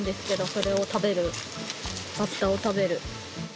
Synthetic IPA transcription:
nd̪e̞sɨ̥ke̞d̪o̞so̞ɾe̞o̞t̪abe̞ɾɯ̟ | bat̪ːao̞t̪abe̞ɾɯ̟

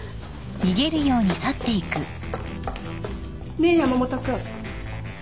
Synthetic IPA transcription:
ɲʲiɡe̞ɾɯ̟jo̞ːɲ̟isat̪ːe̞ikɯ̟ | neːjamomot̪akɯ

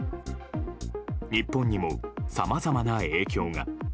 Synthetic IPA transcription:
ɲ̟ipːõ̞ɲ̟ːimo̞samazamanae̞ːkʲo̞ːŋa̰

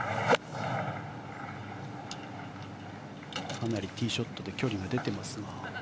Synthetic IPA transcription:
kanaɾʲit̪ʲiːɕo̞t̪ːo̞d̪e̞kʲo̞ɾʲiɡad̪e̞t̪e̞masɨŋa

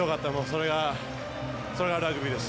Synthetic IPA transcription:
okat̪ːamoːso̞ɾe̞ɡa | so̞ɾe̞ɡaɾɯaɡɯ̟bʲid̪esɨ̥

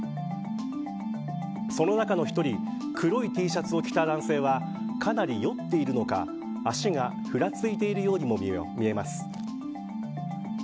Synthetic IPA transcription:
so̞no̞nakano̞çi̥t̪o̞ɾʲi | kʰɯ̟ɾo̞it̪ʲiːɕat͡sɨo̞kʲi̥t̪ad̪ãɰ̃se̞ːβ̞a | kʰanaɾʲijo̞t̪ːe̞iɾɯ̟no̞ka̰ | aɕiŋa | ɸɯ̟ɾat͡sɨit̪e̞iɾɯ̟jo̞ːɲ̟imo̞mʲie̞masɨ̥

